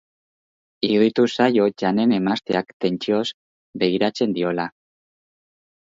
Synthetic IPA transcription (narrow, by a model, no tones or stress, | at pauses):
iðit̪usajo̞ʝane̞ne̞mast̪eakt̪e̞nt͡ʃio̞z | be̞ɣiɾat͡se̞nd̪io̞la